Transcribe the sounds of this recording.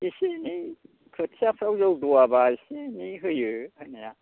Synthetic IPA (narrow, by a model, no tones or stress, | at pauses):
isini | kʰɯtʰijapʰɾawzɔwduabaisiniɦɯjɯanaja